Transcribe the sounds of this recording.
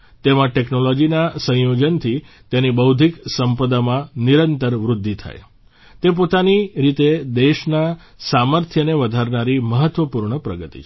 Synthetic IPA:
t̪emãʈeknolɔd͡ʒinasə̃jod͡ʒənt̪ʰi | t̪enibəwd̪ʱiksəmpəd̪amãniɾənt̪əɾʋɾud̪ʱːit̪ʰa̰j | t̪ep̬ot̪aniɾit̪ed̪eʃna | saməɾt̪ʰjəneʋəd̪ʱaɾnaɾiməɦət̪ʋəpuɾɳəpɾə̰ɡət̪ḭt͡ʃʰ

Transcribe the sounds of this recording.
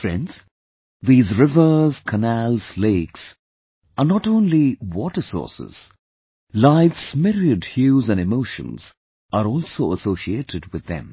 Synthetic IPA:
fɹɛ̰̃ndz̥ | ðiːzɹɪvə˞z̥kʰənælz̥leɪks | ənɔʈõːnliwɔʈəsɔ̰ːɹsɪ̰z̥ | laɪfsmɪɾiədhjuzæ̃nɖɪmoʊʃə̰̃nz̥ | əɾɔːlˠsoʊəsoʊʃieːtʰɪd̚wɪd̪ɛ̰̃m

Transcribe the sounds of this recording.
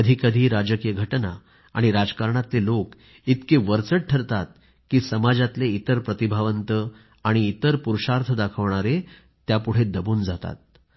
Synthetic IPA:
əd̪ʱikəd̪ʱiːɾad͡ʑəkijəɡʱəʈna̰ | a̰ɽ̃iɾad͡zkaɾɳat̪lelok | it̪keʋəɾt͡səʈ̚ʈʰəɾt̪at̪̚ | kiːsəmad͡zat̪leit̪əɾpɾət̪ibʱaʋənt̪ə | aɽ̃iːt̪əɾpuɾʂaɾt̪ʰəd̪akʰəʋɳaɾe | t̪japuɽ̤ed̪əbuːnd͡zat̪a̰t̪̚

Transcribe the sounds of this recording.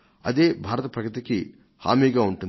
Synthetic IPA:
ɐ̰d̪eːbʱaːɾɐt̪ɐpɾɐkɯt̪ikːi | ha̰ːmiːɡaːuɳʈun

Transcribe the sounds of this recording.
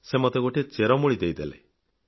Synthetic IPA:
semot̪eɡoʈʰet͡ʃeɾɔmuɭid̪ejd̪ele

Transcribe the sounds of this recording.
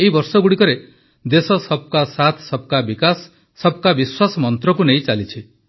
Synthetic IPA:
eibɔɾsɔɡuɽikɔɾe | d̪esɔsɔb̚kasat̪ʰsɔb̚kabikasː | ɔb̚kabiswasɔmɔnt̪ɾɔkunej̃t͡ʃalit͡ʃʰi

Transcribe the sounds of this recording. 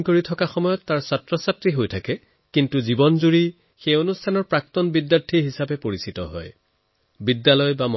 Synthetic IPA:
koɹitʰɔkaxɔmɔjɔtːaɹsatɹɔsatɹiɦojtʰakɛ | kintuzibɔnzuɹi | xejonustʰanɔɹpɹak̚tɔnbidjaɹtʰiɹɦisabɛpoɹisitɔ̰ɦɔ̰j | bidːalɔjbamɔ

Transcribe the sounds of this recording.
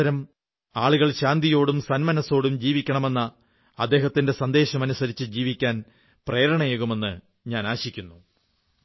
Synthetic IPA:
ɐɾɐm | aːɭuɣɐɭɕaːnd̪ijo̞ːɽumsɐnmɐnɐso̞ːɽumd͡ʑiːʋikʲːɐɳɐme̞nːɐ | ɐd̪ːe̞ːɦɐt̪ːinde̞sɐnd̪e̞ːɕɐmɐnusɐɾit͡ɕːɨd͡ʑiːʋikʲːaːn | preːɾɐɳɐjeɣume̞nːɨ | ɲaːnaːɕikʲːunːu

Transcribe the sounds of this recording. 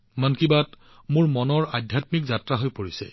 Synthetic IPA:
mankibat | mʊɹmɔnɔɹadʱjatmikzatɹaɦojpoɹisɛ̰

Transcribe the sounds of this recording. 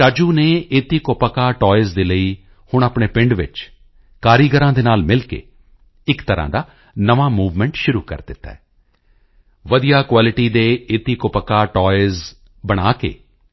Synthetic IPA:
aːd͡ʒuːneːeːt̪iːkopəkaːʈɔːɪzd̪eːləiː | hʊɳ̃aːpɳeːpɪ̃ɳɖʋɪ̰t͡ʃ | kaːɾiɡəɾãːd̪eːnaːlmɪlkḛː | ɪkt̪əɾã̰ːd̪aː | nəʋaːmuːʋmɛ̃ɳʈʃʊɾuːkə̰ɾd̪ɪt̪ːa̰ | ʋəd̪ijaːkwaːlɪʈiːd̪eːeːt̪iːkopəkaːʈɔːɪz | bəɽ̃aːkḛː

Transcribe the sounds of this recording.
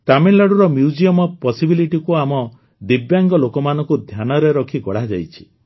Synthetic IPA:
taminlaɽuɾɔmjud͡ʒiɔmɔpɔsibiliʈikuamɔ | d̪ibjaŋɡɔlokɔmanɔ̃ŋkud̪ʱjanɔɾeɾɔkʰiɡɔɽ̤ad͡ʒa̰jt͡ʃʰi̥

